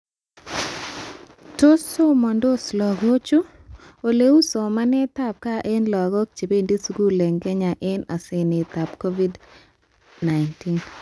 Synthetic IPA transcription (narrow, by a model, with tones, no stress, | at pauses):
to˦so˦mɔ˨ndo˦slɔ˨ɡo˦t͡ʃu˦ | o˨le˦u˦sɔ˨ma˦nɛ˦t̪a˦˨p̚ka˦ʔe˦nlɔ˨ɡo˦k̚t͡ʃe˨be˦ndi˦su˦ɡu˦lɛ˨ŋɡɛ˦ɲa˨ʔe˦na˨sɪ˨nɪ˨t̪a˨pko˦vi˦d | na˨ɪnti˦n